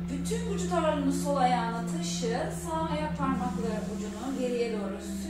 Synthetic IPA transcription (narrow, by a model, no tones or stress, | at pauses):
byt̪ʰynvud͡ʒut̪ʰaβaɾɯnɯsolˠajaːlˠat̪ʰɯʃɯɾsaajapʰaɾmaklˠaɾɯvud͡ʒunuve̞ɾijelʲijo̞ɾuz̥